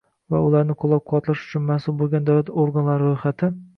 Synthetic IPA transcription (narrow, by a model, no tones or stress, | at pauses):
va̰ʊlaɾnɪqʰolˠap̚qʰɒt̪laʃʊ̥t͡ʃʰʊnmasʊlˠbolˠɡʲand̪awlat̪oɾɡanlaɾɪɾojχat̪ʰɪ